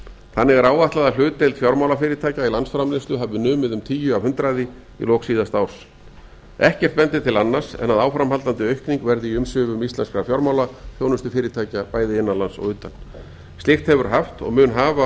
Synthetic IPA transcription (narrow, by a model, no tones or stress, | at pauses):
θanːɪɣɛɾaːwvaht̪laðal̥ʏːt̪ejlt̪fjɔɾmawlafɪːɾɪt̪ʰaːjcailansfɾamlɪst̪ʏɦavðʏnʏːmɪðʏmt̪ʰiːjʏavhʏnt̪ɾaðɪ | ḭlɔksiːðast̪aːwɾ̥s | ɛhcɛr̥t̪̚pɛnt̪ɪt̪ʰɪlanːar̥sɛ̰naðawfɾamɦalt̪ant̪ɪœɥhkniŋkvɛɾðɪiʏmsʏːvʏmist̪lɛnskɾafjɔɾmaːwlafjoːwnʏst̪ʏfɪːɾɪt̪ʰaːjcapaːjðɪɪnːalansɔ̰ɣʏːt̪an | st̪ɪxt̪hɛvʏɾ̥ɦaft̪ɔ̰ɣmʏnɦaːva